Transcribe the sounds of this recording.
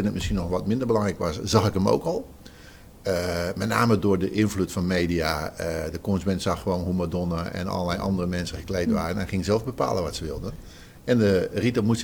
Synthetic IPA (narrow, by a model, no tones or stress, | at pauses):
ɪnətmɪsxiənɔxʋɔtmɪndərbəlɑŋrɛkʋɔsz̥axɪkəmo̰ːkɔlˠ | əmɛt̚naːmədʊːrdəʔɪnflutfɔnmeːdijaədəkonsmɛntsaxxəʋoːnɦumadonəɛ̰nɔ̰lˠəlɛjʔɑ̰ndərəmɛnsəxəklejtʋaːrənɛnχɪŋɪkzɛlˠvbəpa̰ːlˠəʋɔtsəʋɪlˠdən | ɛndəritəmus